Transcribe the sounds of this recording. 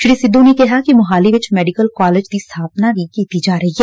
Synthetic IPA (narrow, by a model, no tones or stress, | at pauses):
ʃɾiːsɪd̪ːõnekɛɦakimɐɦaːliʋɪt͡ʃmɛːɖɪkəlkaːleːd͡ʒd̪ist̪ʰaːpnabʱikeːt̪id͡ʒaːɾɐɦiɦɛː